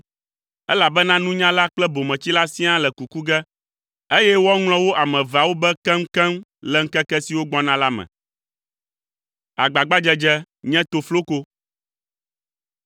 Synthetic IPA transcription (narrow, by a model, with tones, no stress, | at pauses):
ɛ˦la˨bɛ˦nã˦nũ˦ɲã˦la˦k͡plɛ˦bo˨mɛ̃˨t͡ɕi˦la˦sĩ˦ã˦lɛ˨ku˨ku˦ɡɛ˦ | e˦jɛ˦wɔ˦ŋl̃ɔ̃˦wo˦ʔa˨mɛ̃˨va˨wo˦bɛ˦kɛ˦ŋ̩˦kɛ˦mlɛ˨ŋ̩˦kɛ˦kɛ˦si˨wo˦ɡ͡bɔ̃˦nã˦la˦mɛ̰̃˨ | a˨ɡ͡ba˨ɡ͡ba˦d͡ʒɛ˦d͡ʒɛ˦ | ɲɛ̃˦t̪o˨flo˦ko˦